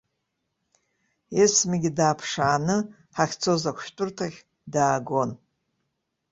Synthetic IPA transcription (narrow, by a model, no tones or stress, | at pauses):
esmaɡʲidaːpʰʂaːnɨ | ħaχʲt͡sʰo̞zakʷʰʃtʼʊrtʰaχʲ | daːɡon